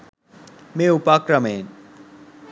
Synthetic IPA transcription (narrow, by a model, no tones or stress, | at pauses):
meupakɾɐmeːn